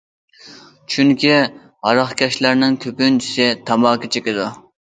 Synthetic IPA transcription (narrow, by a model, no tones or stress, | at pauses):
t͡ʃʰyŋkʲi | ʁɑɾɑχkʲʰɛʃlæɾnɪŋkʲʰøpynt͡ʃʰi̥sɪt̪ʰɑmɑːkʲʰit͡ʃʰekʲɪd̪u